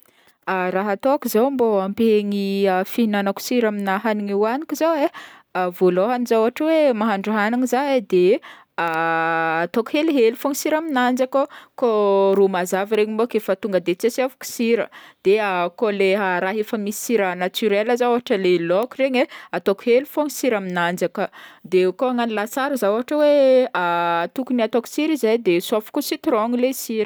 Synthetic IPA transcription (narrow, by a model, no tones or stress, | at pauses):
araɦat̪oakuzawmboampeŋiəfiinanaku̥siɾaminaɦaniŋiwanikizaeavoloɦanizawɦaʈ͡ʂəwemaɦaɳɖ͡ʐuɦaniŋizaed̪e | aː | t̪oku̥heliɦelifoŋisiɾaminand͡ʒakokoɾumazaviɾeɲimbokefət̪uŋɡəd̪et͡sesiavu̥ku̥siɾə̰d̪̥eakoleɦaɾaɦefəmisi̥siɾənat͡syɾeləzaoɦaʈ͡ʂəlelokureɲeat̪oku̥helifoŋisiɾaminand͡zakəd̪ekoaŋanilasaɾuzaoɦaʈ͡ʂəweat̪ukuniat̪oku̥siɾizajd̪esafi̥kusit̪ɾoŋilesiɾ